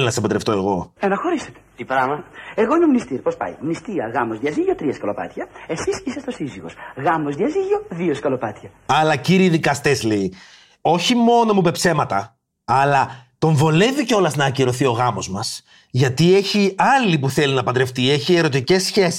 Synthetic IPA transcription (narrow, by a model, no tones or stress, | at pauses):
linɐsepɐd̪ɾe̞ft̪o̞e̞ɣo̞enɐxo̞ɾiset̪e̥t̪ipɾɐvɐeɣoimomnist̪iɾpo̞spɐ̰jmnist̪iɐ̰ɣɐmozðiɐziʝot̪ɾiɐskɐlo̞pɐ̰t̪çɐe̞sisisest̪o̞siziɣo̞̰sɣɐmozðiɐziʝo̞ðioskɐlopɐt̪çɐ | ɐlɐciɾiːðikɐst̪e̞slei | o̞çimo̞no̞mupe̞pse̞mɐt̪ɐ | ɐlɐt̪o̞ɱvo̞le̞viceo̞lɐznɐːciɾo̞θio̞ɣɐmo̞zmɐs | ʝɐt̪ie̞çiɐlipuθe̞linɐpɐd̪ɾe̞ft̪ie̞çie̞ɾo̞t̪̬ice̞sçesi̥